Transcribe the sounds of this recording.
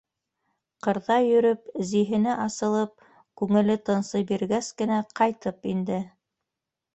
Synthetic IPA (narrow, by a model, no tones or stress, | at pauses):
qɤ̆ɾðɑjɵ̆ɾɵpziɦɘ̆nɘʔɑsɤ̆lˠɤp̚ | kʉŋɘ̆lɘt̪ɤ̆nsɤjbiɾɡæskɘ̆næqɑjt̪ɤpind̪ɘ